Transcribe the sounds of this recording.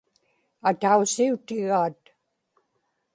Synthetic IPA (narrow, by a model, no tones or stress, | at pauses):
at̪ausiut̪ɪɣaːt̪